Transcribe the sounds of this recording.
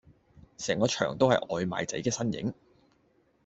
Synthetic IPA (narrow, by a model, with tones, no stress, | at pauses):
sɛː˨˩ŋkɔː˧t͡ʃʰœ̰ː˨˩ŋt̪o˥whɐ˨jʔɔː˨jma̰ː˨˧jt͡sɐ̰˨˥jkɛː˧sɐ˥njɪ̰˨˥ŋ